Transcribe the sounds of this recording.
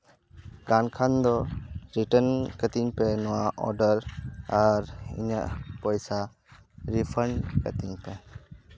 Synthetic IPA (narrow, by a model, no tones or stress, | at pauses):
ɡankʰand̪ɔɾiʈənkət̪iŋpenɔwaʔɔ̰ɾɖəɾaɾḭɲa̰ʔpɔjsa | ɾipʰənkɐ̰t̪iŋpe